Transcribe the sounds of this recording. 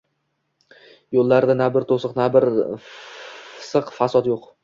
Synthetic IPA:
jolˠːaɾd̪anabɪɾt̪ʰosɨqnabɪɾ | sɨqfasɒt̪joq

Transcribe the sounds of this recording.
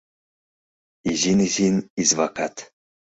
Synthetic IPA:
izinizinizvakʰat̪ʰ

